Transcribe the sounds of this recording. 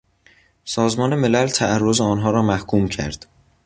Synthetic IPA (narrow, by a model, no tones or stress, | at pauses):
sɒːzmɒːne̞me̞lælt̪ʰæærːozeɒːnɦɒːɾɒːmæhkʰuːmcʰæ̰ɾd̪̥